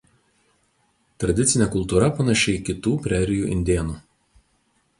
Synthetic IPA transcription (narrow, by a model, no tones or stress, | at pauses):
t̪ɾɐd̪ʲɪt̪sʲɪnʲɛkʊlˠˑt̪uːɾɐpɐnɐʃʲɛɪkʲɪt̪uːpʲɾʲæːɾʲɪjuːʔɪ̰nʲd̪ʲeːnuː